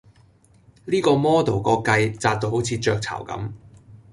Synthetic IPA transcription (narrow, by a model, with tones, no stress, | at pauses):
liː˥kɔː˧mɔː˥t̪o˨˩wkɔː˧kkɐ˧jt͡saː˧t̚t̪o˧who˨˥wt͡sʰiː˨˧t͡ʃœː˧k̚t͡sʰɐ̰˨˩wkɐ̰˨˥m